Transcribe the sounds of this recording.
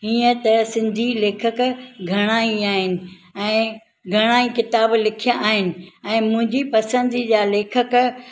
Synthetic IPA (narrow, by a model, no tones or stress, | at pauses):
ɦiːə̃t̪ɐsɪ̃nd̪ʱileːkʰəkɡʱɐɽ̃aːĩaːɦɪnɪ̆ɛ̃ː | ɡʱɐɽ̃aːĩkɪt̪aːblɪkʰijãʔaːɦɪnɪ̆ɛ̃ːmʊ̃ɦɪ̃ɲd͡ʑipɐsə̃nd̪ʱid͡ʑaːleːkʰək